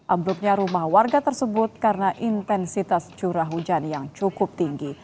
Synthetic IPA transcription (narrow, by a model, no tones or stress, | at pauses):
ʔambɾuk̚ɲaɾumahwarɡat̪ərsəbʊt̪̚kaɾənaʔint̪ɛnsit̪ast͡ʃuɾaɦud͡ʒanjaŋt͡ʃukʊp̚t̪iŋɡi